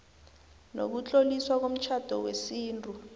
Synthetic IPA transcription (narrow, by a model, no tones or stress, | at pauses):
no̰k̬ut͡ɬʼoliswak̬om̩t͡ʃʰad̥ʱɔwesiːntʼu